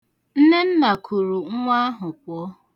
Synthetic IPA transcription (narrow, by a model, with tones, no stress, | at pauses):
n̩˦ne˦n̩˦na˨kʰu˨ɾu˨ŋ̩˦ŋʷa˦a˦ɦʊ˨kʷɔ˦˨